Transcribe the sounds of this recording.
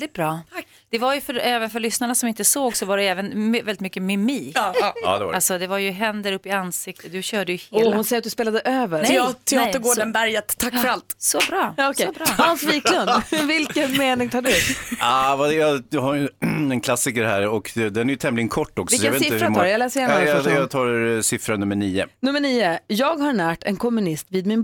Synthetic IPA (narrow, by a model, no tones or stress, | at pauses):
lɪt̪̚bɾɑː | d̪̥ɛvaɾjɵfœɾɛːvənfœɭʏsnaɳasɔmɪnt̪əsoːɡsɔvaɖɛɛːvənmvɛlɪt̪mʏkːəmɪmiːkːɑ̰ːd̪ɛa̰alsɔd̪ɛvaɾjɵɦɛnd̪əɾɵpːɪansɪk̚t̪ət̪̚d̪ɵɕœːɖəjɵheːlhʊnsɛjːat̪d̪speːlad̪əʔøːvəɾɛɑt̪ʰːɪɑːt̪əɾɡoːɖənbæɾjət̪ʰːakːfœɾalt̪sɔbɾɑːɑːɔkʰɛbɾhɑnsviːklʊnd̪vɪlkənmeːnɪŋt̪ʰɑːɖʉɵpavaɛjɑd̪haɾjɛnkʰlasɪkəɾhæːɾɔkd̪ɛnæɾjɵt̪ʰɛmlɪɡənkʰɔʈːɔksɪɔjvet̪ɪɾaɑɾɛjalɛːsəɾjɛnjɑt̪ʰɑːɾsɪfɾanɵmːəɳiːə̰nɵmːəɳiːəjɑːɡhaɾɳæːʈɛ̰nkʰɔmːɵnɪst̪viːd̪mɪn